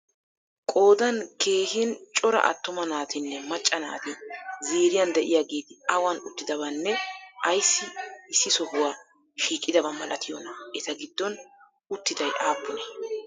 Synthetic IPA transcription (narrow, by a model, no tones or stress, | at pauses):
kʼo̞ːd̪ɐnke̞ːhɪnt͡ʃʼɔɾɐ̰ʔɐ̰t̪ːʊmɐnaːt̪ɪnːɛmɐt͡ʃʼːɐna̰ːt̪ɪziːɾɪjɐnd̪ɛʔɪjaːɡeːd̪ɪɐwanʊt̪ːɪd̪ɐβɐnːɛʔɐjsːɪɪsːɪsɔhʊwaː | ʃiːkʼːɪd̪ɐbɐmɐlɐt̪ʰɪjɔnɐɛt̪ɐɡɪd̪ːɔn | ʊt̪ːɪd̪ɐjʔaːpːʊnɛ